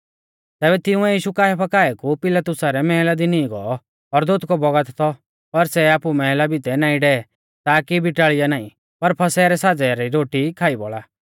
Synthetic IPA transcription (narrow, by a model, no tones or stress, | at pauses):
t̪ɛːbɛt̪ɪʊ̃ɛjiːʃukaːɛpʰɐkaːɛkupɪlat̪ʊsaɾɛmɛɦɛlad̪inĩɡɔ̰ɔ | ɔɾd̪oːt̪kɔbɔɡət̪t̪ʰɔ | pɐɾsɛaːpumɛɦɛlabit̪ɛnaːĩɖɛɛ | t̪aːkibʱɪʈaːɭɪjanaːḭ̃ | pɐɾpʰɐsɛːɾɛsad͡zaɾiɾoːʈikʰaːibɔ̰ɭaː